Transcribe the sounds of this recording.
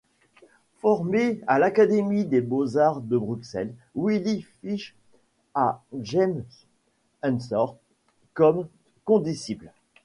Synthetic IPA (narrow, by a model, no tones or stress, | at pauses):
fɔʁmealakad̪emid̪ebozaʁd̪əbʁyksɛ̰lwilifiʃ | aʒɛms | ɛ̃nsɔʁ | kɔm | kɔ̃d̪isibl